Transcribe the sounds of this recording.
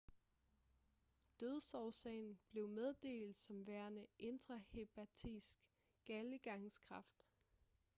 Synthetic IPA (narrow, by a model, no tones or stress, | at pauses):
d̥øð̞ˠsɒʊsɛ̰ɪn̩b̥le̝ʊmeð̞ˠd̥e̝̰ːld̥sɒ̽mʋæɐnəʔe̝nd̥ʁɐhe̝b̥ʰæt͡sʰisɡ̥ | ɡ̥æləɡ̥ɑ̈ŋskʰʁɑ̈fd̥